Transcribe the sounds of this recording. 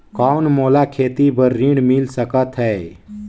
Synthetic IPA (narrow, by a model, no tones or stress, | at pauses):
kɔːnmoːlakʰeːt̪ibəɾːiɽmilsəkət̪ɦɛː